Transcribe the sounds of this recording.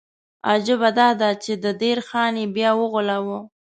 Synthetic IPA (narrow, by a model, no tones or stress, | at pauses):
ɑd͡ʒʊbad̪ɑd̪at͡ʃed̪əd̪eɾxɑnebjɑwəɣʊlawə